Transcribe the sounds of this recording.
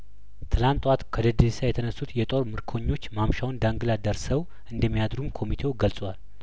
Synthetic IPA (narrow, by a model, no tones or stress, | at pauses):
t̪ʰɨlant̪ʼwat̪kʰəd̪əd̪esajɛt̪ʰənəsːut̪jɛt̪ʼo̞ɾmɨɾkʰo̞ɲːo̞t͡ʃːmamʃawnd̪aŋɡɨlad̪əɾsəw | ʔɨnd̪əmːijad̪ɾumkʰo̞mit̪ʰe̞wɡəlsʼwal